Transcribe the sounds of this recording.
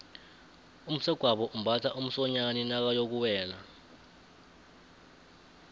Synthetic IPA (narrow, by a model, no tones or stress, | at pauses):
um̩sɛɡ̥ʱwaɓɔʔum̩bʱatʰaʔum̩sɔɲaninak̬ajok̬uwɛːla